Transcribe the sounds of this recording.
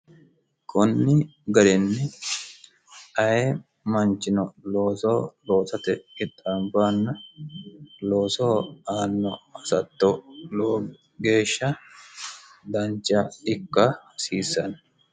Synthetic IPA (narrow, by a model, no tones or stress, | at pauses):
kʰɔnːɪɡɐɾɛnːɛ | ɐjɛ | mɐnt͡ʃːɪnɔlo̞ːsoːloːtɐt̪ɛɪt̪ʼːambaːnːɐ | lo̞ːsoːaːnːɔɐsɐt̪ːɔloː | ɡe̞ːʃːɐ | d̪ɐnt͡ʃːɐɪkːɐhsiːsːɐn